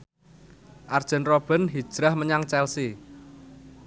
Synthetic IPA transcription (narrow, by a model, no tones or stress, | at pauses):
ʔard̥ʒ̥ə̤nrob̥ə̤nɦi̥ʒ̥ɾahməɲaŋt͡ʃɛlsi